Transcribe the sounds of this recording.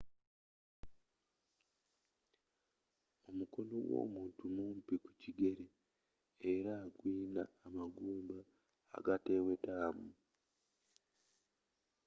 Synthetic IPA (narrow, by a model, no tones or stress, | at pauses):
o̞muko̞noɡwo̞̰ːmuːntumumpiku̥ciɡe̞ɾe | eɾaːɡwiːnaːmaɡuːmba̰ː | ɡate̞wetamu